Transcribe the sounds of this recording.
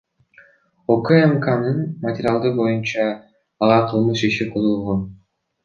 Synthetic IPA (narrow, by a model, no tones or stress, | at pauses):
okəemkanɯnmɐtʲɪɾʲalˠd̪ɯbo̞junt͡ʃɑː | lɑqʰɯlˠmɯʃiʃiqʰolulˠʁon